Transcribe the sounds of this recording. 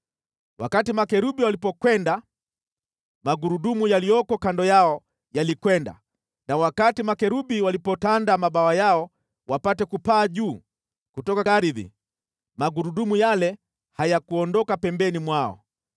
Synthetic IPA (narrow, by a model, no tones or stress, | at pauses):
wa̰katimakɛɾuɓiwalipɔkwɛnda | maɡuɾuɗumujalijɔkɔkandɔjaɔ | jalikwɛnda̰ | nawakatimakɛɾuɓiwalipɔtandamaɓawajaɔ | wapatɛkupaːʄuː | kutɔkaaɾiðḭ | maɡuɾuɗumujalɛ | hajakuɔndɔkapɛmbɛnimwaɔ̰